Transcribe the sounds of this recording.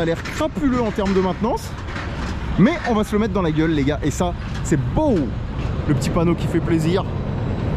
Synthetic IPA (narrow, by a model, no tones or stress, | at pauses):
alɛʁkχapyløɑ̃t̪ɛʁmd̪əmɛ̃t̪nɑ̃s | mɛʔɔ̃vasələmɛt̪χd̪ɑ̃laɡʲœlːeɡaʔesa | sɛbo | ləpət̪ipanokʲifɛpleziːʁ